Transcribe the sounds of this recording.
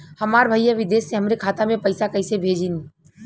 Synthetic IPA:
həmaːɾbʱəijaʋɪd̪eːsːẽɦəmɾekʰaːt̪amẽpəɪsakəɪsebʱeːd͡ʒin

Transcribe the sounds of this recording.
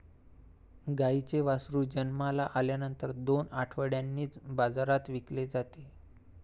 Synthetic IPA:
ɡait͡seʋasɾuːd͡ʑənmalaʔaljanənt̪əɾd̪onaʈʰʋəɽjanːiːt͡sbad͡zaɾat̪ʋikled͡zat̪e

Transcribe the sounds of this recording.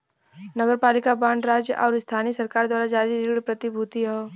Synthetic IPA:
nɐɡəɾpaːlɪkabãːɳɖɾaːd͡ʒjəʔɔːɾɪst̪ʰaːnisɐɾkaːɾd̪waːɾad͡ʒaːɾiɾɪɡɽpɾɐt̪ɪbʱut̪iɦɛː

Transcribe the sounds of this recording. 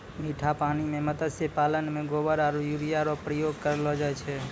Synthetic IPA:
miʈʰapañimẽmət̪əsepalənmẽɡobəɾaɾujuɾijaɾopɾəjoɡ̚kəɾelod͡ʒajt͡ʃʰe

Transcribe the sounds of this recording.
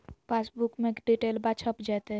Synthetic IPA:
pasbukmẽkɖiʈelbat͡ʃʰəpd͡ʒat̪e

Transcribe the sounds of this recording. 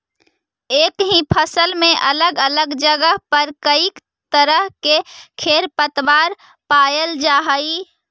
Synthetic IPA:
eːkɦĩpʰəsəlmẽʔɐləɡələɡd͡ʒəɡəɦpəɾkəik | t̪əɾəɦkekʰeːɾpət̪ʋaːɾ | paːjəld͡ʒaːɦəi

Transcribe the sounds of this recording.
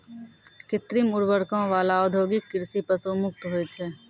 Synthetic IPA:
kɪt̪ɾimʊɾʋəɾkõʋaːlaɔːd̪ʱjoːɡɪkːɪɾsipəsoːmʊk̚t̪ɦoet͡ʃʰɛː

